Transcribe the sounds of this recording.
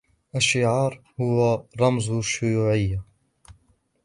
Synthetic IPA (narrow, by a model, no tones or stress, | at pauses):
ʔaʃːɪʕɑːɾˤhʊwaɾˤɑmzʃːʊjuːʕɪjːa